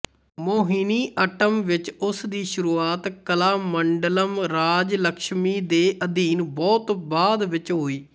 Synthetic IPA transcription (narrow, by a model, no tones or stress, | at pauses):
moːɦiːniːʔəʈəmʋɪt͡ʃʊsd̪iːʃʊɾuːaːt̪kəlaːməɳɖələmɾaːd͡ʒləkʃmiːd̪eːʔəd̪iːnbɔːt̪baːd̪ʋɪt͡ʃɦoːiː